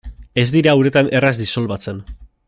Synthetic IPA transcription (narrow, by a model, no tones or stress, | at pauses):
e̞zd̪iɾaːwɾe̞t̪anʔe̞razd̪iso̞lβat͡se̞n